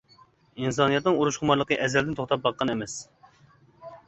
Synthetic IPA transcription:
ins̬ɑnɨjɑt̪nɨŋuɾuʃχʊmɑɾlˠəqəʔɛzɛld̪ɪnt̪ʰoχt̪ɑp̚bɑqːɑnɛmɛs

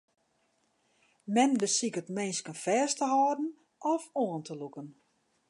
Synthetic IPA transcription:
mɛndəsikətmenskənfɛːstəhɔːdn̩ | ɔfoəntʰəlukən

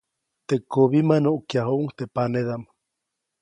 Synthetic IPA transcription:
t̪ekoβimanoʔukjaɦoʔuŋt̪epaneðamḁ

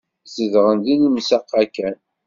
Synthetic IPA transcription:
səðʁənd̪inimsæqːækːæn

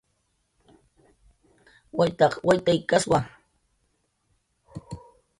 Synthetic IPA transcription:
wajt̪ɑχwajt̪ajkaswa

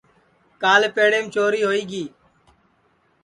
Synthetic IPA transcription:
kaːleːpeːɽeːmt͡ʃoːɾiːɦoːiːɡiː

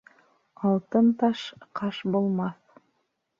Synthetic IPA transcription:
ɑlˠt̪ɤnt̪ɑʃqʰɑʃbulˠmɑθ

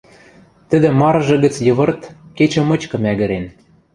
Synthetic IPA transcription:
t̪ɘ̆d̪ɘ̆mɑɾɤ̆ʒɤ̆ɣɘ̆t͡sjɤ̆βɤ̆rt̪ket͡ɕɘ̆mɤ̆t͡ɕkɤ̆mæɣɘ̆ɾen

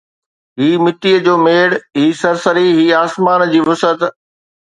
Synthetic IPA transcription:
ɦiːmɪʈiːəd͡ʑoːmeːɽɦiːsɐɾsəɾiɦiːaːsmaːnd͡ʑiːʋʊsət̪

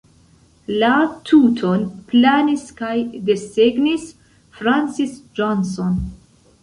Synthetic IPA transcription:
latʰutʰonplaniskajdeseɡnis | fɾansisd͡ʒonson

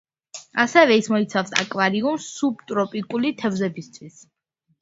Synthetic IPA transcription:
asɛvɛismɔit̪sʰafsa̰kʼwaɾiumsːubt̪ʼɾɔpʼikʼulit̪ʰɛvzɛbist̪ʰwis

